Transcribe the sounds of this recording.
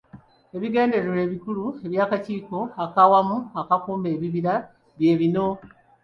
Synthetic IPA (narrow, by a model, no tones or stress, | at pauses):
e̞βiɡe̞ːnde̞ɾeɾe̞ːβikulue̞βjaːkaciːko̞akawamuakakuːmbe̞ːβiβiɾa | βje̞ːβino̞